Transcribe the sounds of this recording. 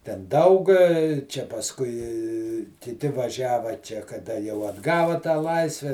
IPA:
tʲɛn ˈdɐʊk t͡ʃʲɛ pɐsˈkʊɪ kʲɪˈtʲɪ ʋɐˈʒʲæːʋɐ ˈt͡ʃʲɛ kɐˈdɐ jɛʊ ɐdˈɡɑːʋɐ tɑː ˈlˠɐɪsʲʋʲɛ

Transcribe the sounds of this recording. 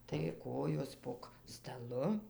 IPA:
tɐɪ ˈkoːjoːs poːk stɐˈlˠʊ

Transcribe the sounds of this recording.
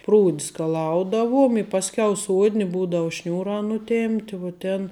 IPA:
ˈpruːtʲ skɐˈlˠɐʊdɐʋuɔm ɪ ˈpɑːsʲˌkʲɛʊ ˈsuɔdʲnʲɪ ˈbuːdɐʊ ˈʃʲnʲuːrɑː nʊˈtʲeːmʲpʲtʲɪ ʋuɔ ˈtʲeːn

